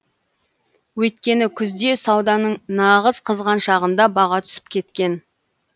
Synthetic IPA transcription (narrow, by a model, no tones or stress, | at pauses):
wɵjt̪̚kʲe̞nɪkʲʰʏzd̪e̞sɑwd̪ɑnəɴnɑʁəzqʰəzʁɑnʃɑʁənd̪ɑbɑʁɑt̪ʰʏ̥sɪ̥p̚kʲʰe̞t̪kʲe̞n